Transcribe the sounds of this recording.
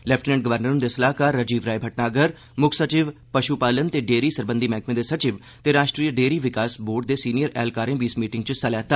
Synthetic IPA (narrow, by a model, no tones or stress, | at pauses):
lɛːpʰʈnɛ̃ɳʈɡəʋəɾnəɾʊnd̪eːsəlaːɦkaːɾːəd͡ʒiːʋɾaːibʱəʈnaːɡəɾ | mʊkʰsət͡ʃɪʋpəʃupaːlənt̪eːɖeːɾiːsəɾbə̃nd̪iːmɛ̃ːkmẽd̪eːsət͡ʃɪʋ | t̪eːɾaːʃʈɾiːəɖeːɾiːʋɪkaːsboːɖ̚d̪eːsiːnijəɾɛːlkaːɾẽːbiːsmiːʈɪŋɡt͡ʃəsəlɛːt̪aː